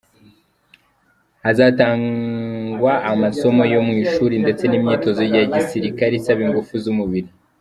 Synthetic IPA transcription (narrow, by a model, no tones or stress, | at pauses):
azataːŋɡwaːmaso̞mo̞jo̞mŋiːʃuɾinde̞t͡se̞nimɲiːto̞zo̞jaɟisiɾikaɾisaβiŋɡufuzumuβiɾi